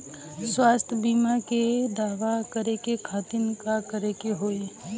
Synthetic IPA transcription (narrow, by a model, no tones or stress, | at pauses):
swaːst̪ʰbiːmaked̪aːʋakəɾekekʰaːt̪ɪnkakəɾekeɦoːi